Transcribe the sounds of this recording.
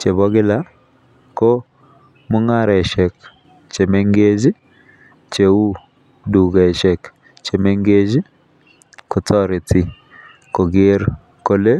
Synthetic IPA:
t͡ʃe˨βɔ˦ɡɪ˦la˦ | ko˦ | mʊ˦ŋa˦˨ɾɛ˨ʃɛ˨k | t͡ʃe˨me˦ŋɡe˦d͡ʒi˦ | t͡ʃe˨u˦ | du˨ɡɛ˨ʃɛ˨k | t͡ʃe˨me˦ŋɡe˦d͡ʒi˦ | kʊ˨tɔ˦ɾɪ˨tɪ˨ | ko˨ɡe˦ɾ | ko˦le˦

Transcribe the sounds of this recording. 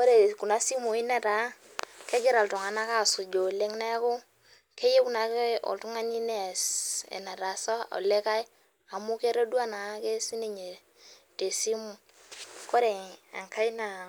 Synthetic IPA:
ko˦ɾe˨ku˨na˦si˦mu˨ɪ˦na˨ta˨˦ | ke˦ɡɪ˦ɾa˨ltʊ˨ŋa˨na˦ka˦˨sʊ˨d͡ʒo˨le˦ŋna˦kʊ˦ | ke˦je˦ku˦na˨ke˦ɔ̰˨ltu˦ŋa˦ni˦ne˦˨sḛ˨na˨ɾa˨sɔ˦o̰˨le˦ka˦j | a˨mu˦ke˦ɾo˦dwa˦na˨˦ke˦si˦ne˦ɲe˨ | te˨si˦mu˦˨ | ko˦ɾe˨a̰˨ŋkʰa˦jna˨

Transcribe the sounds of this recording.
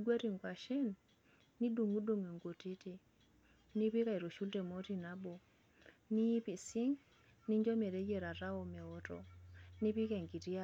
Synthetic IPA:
ɡwa˦ɾi˨ŋɡwa˨ʃɛ˦nː | i˦du˨ŋɡu˦do˦˨ŋe˨ŋɡo˨ti˦ti˨ | ni˦pi˦ka˨i˨ɾo˨ʃu˦lde˨mo˦ti˨na˦bɔ˨ | ni˦pi˨si˦ŋ | ni˦ɲd͡ʒɔ˦me˨ɾe˦je˨ɾa˨ɾa˦ɔ˨mɛ˨ɔ˦tɔ̰˨ni˦pi˦kɛ˨ŋɡi˨ɾi˦a˦

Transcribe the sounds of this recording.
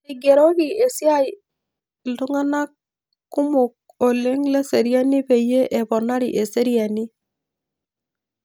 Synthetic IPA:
i˨ɡe˨ɾɔ˦ki˨e˨sja˦j | ltu˦ŋa˦na˦kː | u˦mʊ˨k̚ | o˨le˦ŋlɛ˦se˨ɾja˦ni˦pe˨je˦ʔɛ˨pɔ˨na˦ɾḭ˨ʔe˨se˦ɾja˨ni˦

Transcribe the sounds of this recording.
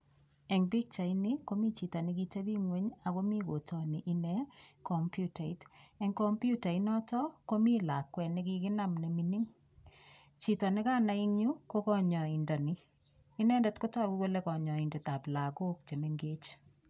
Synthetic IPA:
ɛ˨ŋbi˦k̚t͡ʃa˨i˦ni˦ko˦mi˦t͡ʃi˨ta˨nɪ˦ki˦te˦bi˦ŋwe˦ɲa˨ko˦mi˦ko˨tʰɔ˨ni˨ʔɪ˦nɛ˦kɔ˨mpju˦ta˨i˨tɛ˦ŋkɔ˦mpju˦ta˨i˦nɔ˦tɔ˦ko˦mi˦la˨kwɛ˨nɪ˦ki˦kɪ˦na˦mne˨mi˦ni˦ŋ | t͡ʃi˨tɔ˨nɪ˦kaː˦na˨i˦ɲu˦ko˦kɔ˦ɲɔ˨i˨ndɔ˨niː˦ | nɛ˦ndɛ˨tko˦ta˦ku˦kwo˦le˦kɔ˨ɲɔ˨i˨ndɛ˨ta˨pla˨ko˦k̚t͡ʃe˨me˦ŋɡe˦t͡ʃ

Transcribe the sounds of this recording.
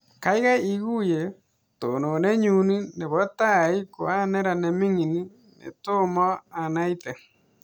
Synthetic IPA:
ka˦i˦ɣa˦i˦ɣu˦je˨ | to˨no˨ne˦ɲu˦ni˦ne˨βɔ˦ta˦i˦ko˨a˦ne˦ɾa˨ne˨mi˦ŋi˨ni˦ | nḛ˨to˦mɔ˦a˨na˦ite˨

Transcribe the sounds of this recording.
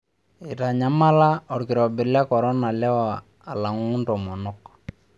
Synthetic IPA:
i˨ta˨ɲa˦ma˦la˦ɔ˨ɾkɪ˨ɾɔ˨bɪ˨ɾla˦kɔ˨ɾɔ˦na˨lɛ˦waː˨ | la˨ŋ˦ʊ˦ntɔ˨mɔ˨nɔ˦k̚

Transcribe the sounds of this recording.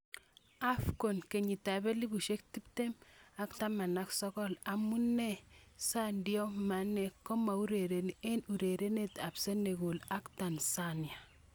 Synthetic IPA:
a˦fko˨nke˨ɲi˨ta˨be˦li˦bu˨ʃe˦k̚ti˦p̚te˦ma˦kta˦ma˨naksɔ˦kɔ˦la˨mu˦ne˦sa˦ndjo˦ma˨ne˨kːo˦ma˨u˦ɾe˨ɾe˨nie˦nu˨ɾe˨ɾe˦ne˦ta˨pse˦ne˨ɡo˨la˦kta˨nsanja˨

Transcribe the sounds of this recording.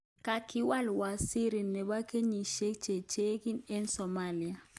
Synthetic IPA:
ka˨kʰi˦wa˦lwa˨si˦ɾi˨nːɛ˨ɓa˦kʰe˦ɲi˨ʃe̥˦t͡ʃe˨t͡ʃe˦ki˦nɛ˦nsɔ˨ma˦˨li˨a˨

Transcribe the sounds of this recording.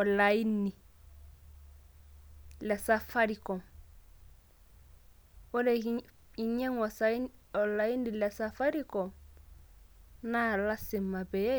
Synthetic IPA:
ɔ˨la˨i˦ni˨ | lɛ˨sa˦fa˦ɾi˨kɔ˨m | ɔ˦lɛ˨ | i˨ɲɛ˦ŋɔ˨sa˦ɔ˨la˨i˦ndi˨lɛ˨sa˦fa˦ɾi˦kɔ˨m | na˦˨la˦sɪ˨ma˨bɛ˨ɛ˦

